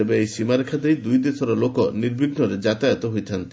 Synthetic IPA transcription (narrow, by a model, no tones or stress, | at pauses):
ebeejsimaɾekʰad̪ejd̪ujd̪esɔɾɔlokɔniɾbʱiɡnɔɾed͡ʒat̪ajɔt̪ɔɦojt̪ʰant̪i̥